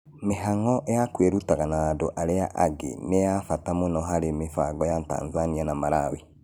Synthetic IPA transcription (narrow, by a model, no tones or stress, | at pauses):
meɦaŋɔʔejakweɾutaɣanaːdoʔaɾeaʔaɡḛnejafatamonɔɦaɾemefaɡɔjata̰ːnzanianamaɾawe